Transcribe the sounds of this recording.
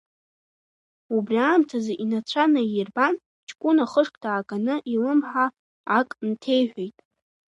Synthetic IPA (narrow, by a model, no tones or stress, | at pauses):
ubriaːmtʰazaʔinat͡ɕʷʰanajirban | t͡ʃʰkʷʼunaχəʂkʼdʰaːkʼanɨʔilɨmħaː | kʼntʰe̞jħʷᶣejtʼ